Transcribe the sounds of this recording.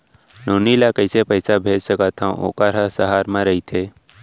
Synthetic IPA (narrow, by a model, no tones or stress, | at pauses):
noːnilakəɪsepəɦsabʱeːd͡ʒsəkat̪ʰãʔo̰ːkaɾasəɦaːɾmãɾəit̪ʰe